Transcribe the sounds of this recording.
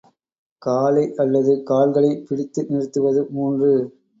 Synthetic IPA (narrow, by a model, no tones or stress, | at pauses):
kaːlɐɪʔɐlːɐðɯkaːlɣɐɭɐɪpɪɽɪt̪ːɯnɪrɯt̪ːɯʋɐðɯmuːndrɯ